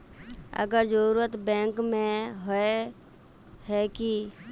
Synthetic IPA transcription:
ə̰ɡəɾd͡ʒəɾuɾət̪bɛ̃ːŋkmẽɦoe | ɦɛki

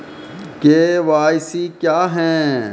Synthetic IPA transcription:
keʋaːjsikjaːɦɛ̃ː

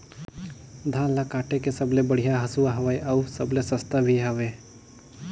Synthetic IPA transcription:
d̪ʱãːlakaːʈekesəblebəɽ̤ijaɦɐsuwaɦɐʋaeʔɐusəblesɐst̪abʱiɦɐʋe

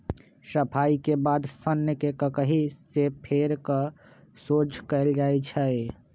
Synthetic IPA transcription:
səpʰaːikebaːd̪sənːjəkekəkəɦisepʰeːɾkə | soːd͡ʒʰʱkəɪld͡ʒaːet͡ʃʰɛe

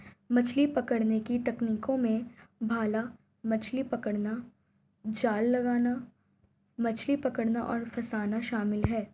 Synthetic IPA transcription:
mɐt͡ʃʰlipɐkəɽnekit̪ɐkniːkõmẽbʱaːla | mɐt͡ʃʰlipɐkəɽna | d͡ʒaːlːɐɡaːna | mɐt͡ʃʰlipɐkəɽnaʔɔ̰ːɾfʰɐsaːnaʃaːmɪlɦɛː

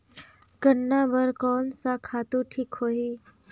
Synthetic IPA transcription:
kəɳːabəɾkɔːnsãkʰaːt̪ũʈʰiːkɦoːiː

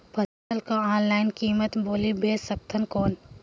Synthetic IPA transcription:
pɐstəlkaaːnlaːɪnkiːmət̪boːlibeːsɐk̚t̪ʰənkɔːn

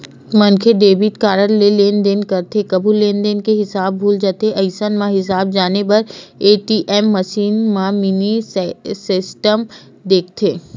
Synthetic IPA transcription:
mɐnkʰeɖeːbɪʈkaːɾəɾleleːnd̪eːnkɐɾt̪ekɐbʱuleːnd̪eːnkeɦɪsaːbːʱuːld͡ʒaːt̪eʔɐɪsənmãɦɪs̬aːbd͡ʒaːnepɐɾeːʈiːʔɛːmːɐʃiːnmãmɪnisɪsʈəm | d̪eːk̚ʰt̪ʰeː

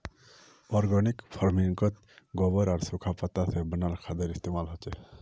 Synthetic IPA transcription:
ɔɾɡanikpʰɔɾmiŋkʌt̪ | ɡɔbəɾaɾsukʰapət̪asebənaɾkʰad̪əɾist̪emalɦɔt͡ʃe

